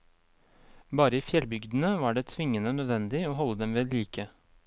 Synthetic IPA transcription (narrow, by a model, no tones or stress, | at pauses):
bɑːɾəiːfjɛlbʏɡd̪n̩əʋɑːɖeːt̪ʰʋɪŋːənənœd̪ʋɛnd̪ɪoːɦɔlːəd̪ɛmʋeːliːkə